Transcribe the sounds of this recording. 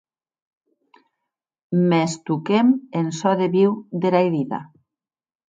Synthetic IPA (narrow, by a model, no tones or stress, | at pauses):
mest̪ukemensɔðeβiwd̪eɾajðiða̰